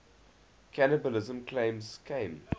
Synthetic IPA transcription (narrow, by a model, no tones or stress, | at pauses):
kʰænəbəlɪzə̃mkʰlẽɪ̃mzkʰẽɪ̃m